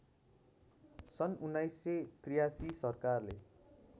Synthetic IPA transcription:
sʌnunːajsːet̪rijasisʌrkarle

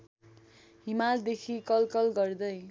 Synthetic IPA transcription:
ɦimald̪ekʰikʌlkʌlɡʌrd̪ʌj

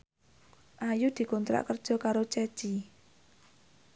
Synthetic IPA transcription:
ʔajud̪̥i̤kɔnt̪ɾa̰ʔkərd̥ʒ̥ɔ̤kaɾot͡ʃɛ̥t͡ʃi

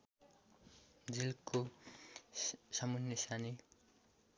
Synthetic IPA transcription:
d͡zilko | sʌmunjʌsani

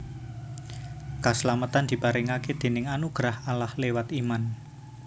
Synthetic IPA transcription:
kasəlamət̪and̪̥i̤paɾɪŋaked̪̥e̤nɪŋanuɡ̥ɾahalahlewat̪iman

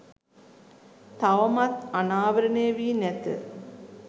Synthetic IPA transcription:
t̪aʋɐmat̪anaːʋəɾənejəʋiːnæt̪ə̰

